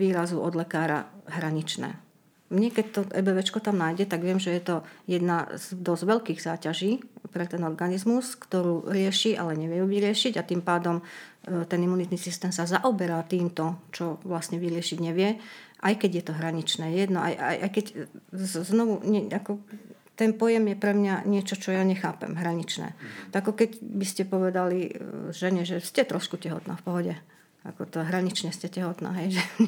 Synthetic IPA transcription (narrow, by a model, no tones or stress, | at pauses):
ʋiːɾazuʔɔd̪lɛkaːɾa̰ɦɾaɲit͡ʃnɛ̰ː | mɲɛkɛc̚t̪ɔɛ̰bɛʋɛt͡ʃkɔt̪amnaːjɟɛt̪aɡʋɪɛmʒɛjɛt̪ɔjɛd̪nazd̪ɔzʋɛʎkiːɣzaːcaʒiːpɾɛt̪ɛnɔɾɡanizmuskt̪ɔɾuːɾɪɛʃiːʔa̰lɛɲɛʋɪjɛjuʋiɾɪɛʃiɟat̪iːmpaːd̪ɔmt̪ɛnimːunit̪nisist̪ɛːmsazaʔɔbɛɾat̪iːmt̪ɔt͡ʃɔʋlasɲɛʋiɾɪɛʃiɟɲɛʋɪɛʔajkɛɟjɛt̪ɔɦɾaɲit͡ʃnɛːjɛd̪nɔʔa̰jʔa̰jʔa̰jkɛc | znɔʋuɲakɔ | t̪ɛnpɔjɛmjɛpɾɛmɲaɲɪɛt͡ʃɔt͡ʃɔjaɲɛxa̰ːpɛ̰mɦɾaɲit͡ʃnɛ̰ːakɔkɛɟbiscɛpɔʋɛd̪aliʒɛɲɛʒɛscɛt̪ɾʔɔʃkucɛɦɔ̰t̪na̰ːfpɔɦɔɟɛ | akɔt̪ɔɦɾaɲit͡ʃɲɛscɛcɛɦɔt̪na̰ːɦɛjʒɛ